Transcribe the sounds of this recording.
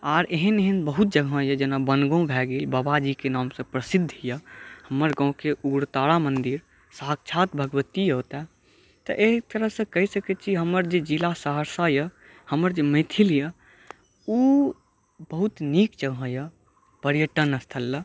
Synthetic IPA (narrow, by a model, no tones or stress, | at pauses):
aːɾeɦəneɦənbəɦut̪̚d͡ʒəɡʱə̃jəd͡ʒenabənɡõbʱɛɡelbəbad͡ʒikenaːmsə̃pɾəsid̪ʱːjəhəməɾɡɔ̃keʔuɡɾt̪aɽamənd̪iɾ | saɦək̚t͡ʃʰat̪bʱəɡəʋət̪ijəɦt̪ɛ | t̪ə̰ʔet̪əɾəɦsə̃kəɦisəkɛt͡ʃʰiɦəməɾd͡ʒed͡ʒilasəɦəɾsajə | həməɾd͡ʒemẽt̪ʰiljə | u | bəɦut̪nikd͡ʒəɡʱə̃jə | pəɾijəʈənəst̪ʰəlːə